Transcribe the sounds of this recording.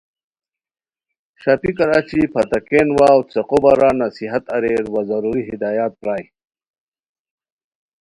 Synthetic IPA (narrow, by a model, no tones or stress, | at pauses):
ɕapikɐɾaːt͡ɕipʰat̪akeːnwaːwt͡seqobaɾanasiɦat̪ɐɾeɾwazɐɾuːɾiɦid̪aːjaːt̪̚pɾaːj